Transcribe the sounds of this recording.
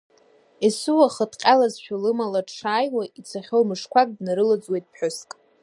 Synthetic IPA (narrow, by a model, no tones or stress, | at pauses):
esɨwaχətʼqʲʼalazʃᶣalɨmalaʈ͡ʂʰaːjwait͡sʰaχʲowmɨʂkʷʰakʼdnaɾɨlad͡zwejtʼpħʷᶣʊskʼ